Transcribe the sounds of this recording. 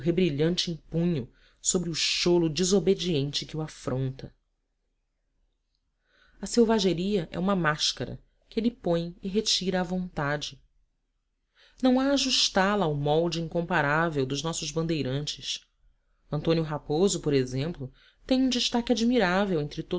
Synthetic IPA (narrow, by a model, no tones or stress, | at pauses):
ɦebɾiʎɐ̃nt͡ʃɪĩpũɲʊ | sobɾɪʊʃolʊd͡ʒizobed͡ʒiẽnt͡ʃɪkɪwafɾõnt̪ɐ | ɐsewvaʒeɾiɐʔɛ̰ũmɐmaʃkɐɾɐ̰ | kɪelɪpõj̃ɪɦet͡ʃiɾɐːvõnt̪ad͡ʒɪ | nɐ̃w̃aːʒuʃt̪alɐːwmɔwd͡ʒɪĩŋkõmpaɾavewd̪ʊʒnɔsʊzbɐ̃nd̪ejɾɐ̃nt͡ʃɪs | ɐ̃nt̪õnjʊɦapozʊpoɾezẽmplʊ | t̪ẽj̃ũd͡ʒɪʃt̪akɪad͡ʒmiɾavewẽnt̪ɾɪt̪o